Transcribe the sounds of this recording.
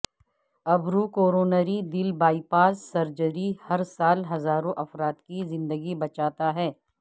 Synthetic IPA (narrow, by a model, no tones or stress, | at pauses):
ɐbɾukoːɾoːnəɾid̪ɪlbaːipaːsːɐɾd͡ʒəɾihɐɾsaːlɦɐzaːɾõʔɐfɾaːt̪kizɪ̃nd̪əɡibɐt͡ʃaːt̪aɦɛː